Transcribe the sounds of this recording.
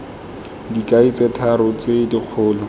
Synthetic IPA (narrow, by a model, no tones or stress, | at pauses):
dikʼait͡sʼetʰaɾʊt͡sedik͡xʰʊːlɔ